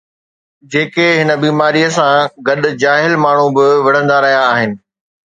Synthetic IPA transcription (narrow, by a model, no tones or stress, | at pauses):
d͡ʑeːkeɦɪnə̆biːmaːɾiːəsãɡɐɗʊ̆d͡ʑaːɦɪlmaːɳ̤ubɪʋɐɽ̤ə̃nd̪aɾɐɦjãːɦɪnɪ̆